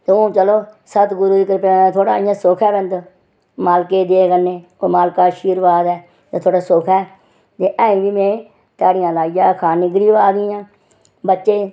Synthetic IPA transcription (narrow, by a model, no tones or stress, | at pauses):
t̪eːõːt͡ʃəloːsət̪ɡʊɾuːd̪ɪkəɾpet̪ʰoːɽa̰ːijãːsoːkʰɛːbənd̪ | maːlkeːd̪eːkənːeː | oːmaːlkaːʃiːɾʋaːd̪ɛː | t̪et̪ʰoːɽaːsoːkʰɛː | t̪eːʔə̃ːĩːʋiːmẽː | t̪aːɽɪjãːlaːid͡ʒaːkʰaːniːɡɾiːʋaːd̪iãː | bətːʃeː